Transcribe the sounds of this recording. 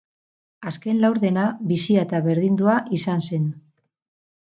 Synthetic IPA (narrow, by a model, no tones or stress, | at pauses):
aske̞nlawɾðe̞naβisiat̪aβe̞ɾðind̪uaʔisanse̞n